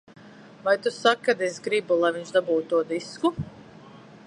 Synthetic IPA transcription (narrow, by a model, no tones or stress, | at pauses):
vajt̪usakːad̪esɡɾibulˠajviɲʲʃd̪abuːt̪t̪ːuɔd̪isku